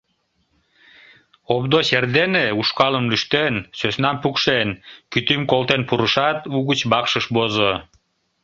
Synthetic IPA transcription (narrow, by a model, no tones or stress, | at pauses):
obd̪oserd̪eneuʃkɑləmlyʃt̪ensøsnɑmpukʃenkyt̪ymkolt̪enpuɾəʃɑt̪uɣət͡ɕbɑkʃəʃbozo